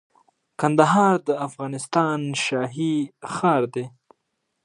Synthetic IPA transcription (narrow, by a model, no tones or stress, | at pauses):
kand̪aɦɑɾd̪əafɣɑnɪst̪ɑnʃɑːɦixɑːɾd̪e